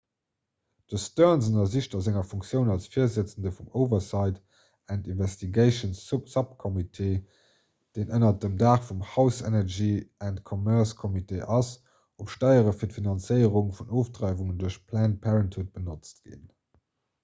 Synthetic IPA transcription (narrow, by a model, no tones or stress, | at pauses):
d̥əstœnzənɐziʃtɐzæŋɐfuŋkt͡sjəʊnɑlsfiːɐzət͡səndəfumoʊvɐsɑɪt | æntinvɛstʰiɡeɪʃənssɑp̚kʰɔmitʰeː | d̥eːnʔənɐdəmdaːχfumhɑʊsɛ̰nɛʒiæntkʰɔmɛɐskʰɔmitʰeːʔɑs | opʃtɑɪəʁəfiːɐtfinɑnt͡səɪəʁuŋfunoːfdʁɑɪvuŋənduɐɕpʰlæːnpʰæʁəntʰut̚b̥ənot͡stɡ̥ḭn